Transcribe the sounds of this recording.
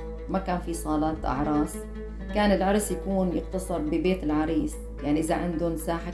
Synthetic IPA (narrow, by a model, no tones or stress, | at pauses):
makaːnfisˤɑːlɑt̪ʔɑ̰ʕɾˤɑːsˤ | kaːnɪlʕɑɾˤsˤjakuːnjɪqt̪ɑsˤɨɾˤbɪbeːt̪ɪlʕɑɾˤiːs | jaʕniʔɪzaʕand̪ʊnsaːħa